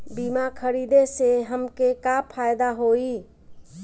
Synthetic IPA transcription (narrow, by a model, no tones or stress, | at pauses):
bimakʰəɾiːd̪eseɦəmkekapʰaːjd̪aɦoi